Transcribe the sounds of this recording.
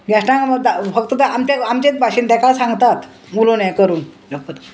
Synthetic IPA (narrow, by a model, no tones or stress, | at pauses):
ɡɛsʈãŋməd̪afəkt̪əd̪aamt͡ɕaamt͡ɕet͡sbʱaɕiːnt̪ɛkasãŋɡt̪at̪ | mulonɛ̃kəɾuːnd͡ʑəpət̪